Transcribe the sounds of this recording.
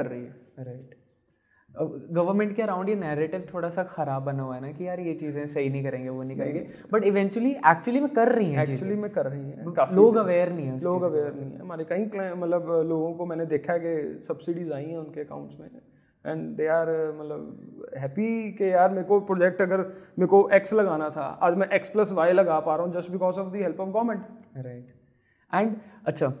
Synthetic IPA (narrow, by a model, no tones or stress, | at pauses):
kɐɾːɐɦiɦɛɾaɪʈ | ɡɐʋəɾmɛ̃ɳʈ̚keɐɾãʊ̃ɳɖjenɛːɾeːʈɪʋt̪ʰoːɽasaxɐɾaːbːɐnoɛnakijaːɾjet͡ʃiːzẽsɐɦinɐɦĩkɐɾẽːŋɡeʋonəɦĩkɐɾẽːɡe | bɐʈɪʋɛ̃ːɲt͡ʃwəliʔɛːk̚t͡ʃuəlimẽkɐɾːɐɦĩɦɛɛːkt͡ʃiːzt͡ʃəlimẽkɐɾːɐɦiɦɛ̰̃kaːfloːɡɐʋeːɾnɐɦĩɦɛ̃sloːɡɐʋeːɾnɐɦĩɦɛ̰̃maːɾikɐɦĩklɛmɐt̪ləbloːɡõkomɛ̃ːned̪eːkʰaɛkesɐbsiɖizaːĩɦɛ̃ʊnkeɐka̰ːʊ̃ɳʈsmḛ̃ | ɛ̰̃ːɳɖd̪eːaːɾmɐt̪ləbɦɛːpikejaːɾmẽːkopɾoːd͡ʒɛk̚ʈɐɡəɾmẽːkoʔɛkslɐɡaːnat̪ʰa̰ʔa̰ːd͡ʒmɛ̃ʔɛksplɐsʋaːɪlɐɡaːpaːɾaɦũd͡ʒɐsʈbɪkɔːzɔːʋd̪iɦɛlpɔːʋɡɔːmɛ̃ɳʈɾaɪʈ | ɛ̃ːɳɖɐtːʃʰaː